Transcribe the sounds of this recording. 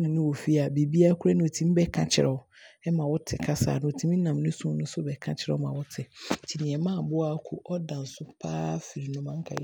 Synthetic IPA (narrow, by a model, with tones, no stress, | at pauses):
nɪ̃˨nʊ̃˦wo˨fi˦a˨bi˨bi˦a˦kʰu˦ɾa˦nʊ̃˦o˨tʰĩ˦m̩˦bɛ˦kʰã˨t͡ɕʰɪ̰˦˨ɾɛ˨ | ɛ˦mã˨wʊ˦tʰɪ˨kʰa˦sa̰ː˨nʊ̃˦o˨tʰĩ˦mĩ˦nã˨m˨nʊ̃˦sũ˦nʊ̃˦sʊ˦˨bɛ˨kʰã˦t͡ɕʰɪ˦ɾɛ̰˦ɔ˦mã˨wʊ˦tʰɪ˨tʰi˨nĩ˨ɛ˨mã˦˨bʊ˦a˨˦kʰʊ˨ʔɔ˦dã˨n̩˨sʊ˦pʰa̰ː˦fi˨ɾi˨nʊ̃˦mã˨ŋ̩˦kʰa̰˨˦